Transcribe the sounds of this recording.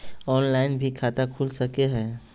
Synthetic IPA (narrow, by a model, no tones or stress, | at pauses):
ɔːnlaːɪnbʱikʰaːt̪akʰuːlsɐkeɦɛː